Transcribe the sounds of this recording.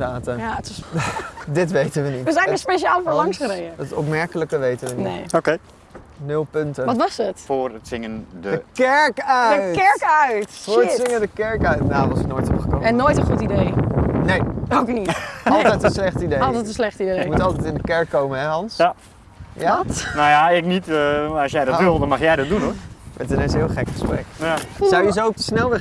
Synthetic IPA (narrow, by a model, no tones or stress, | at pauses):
aːtəjaətʋsdɪtʋejtənʋənitʋəzɛjəspeʃaːlfəːɹlɑŋsχəɾejəətɔ̰p̬mɛɹkələkəʋejtənʋəniejoke | nʏlˠpøntəʋɑtʋɑsətfʊːrətsɪŋəndədəkɛɹkœdəkɛɹkœɥtfʊːɹəsɪŋəndəkɛɹkœɥtnaʋɑsɪknoːjtɔpχə̥ko̰ɛnːoːjtə̃nχutidejnejowkniɔllˠɛjtənslɛχtidejˠətənslɛχtidekmutɑlˠtɛjtɪ̃ndəkɛɹkːowmənɦɛɦɑns | janajaɪknitɑsjɛjdɑʋɪlˠdɔnmɑχjɛjdɑt̚dunoʋɛ̰tənɛsɦɪəlˠχɛkχəsprɛ̰ksawjəs̬optəsnɛlˠə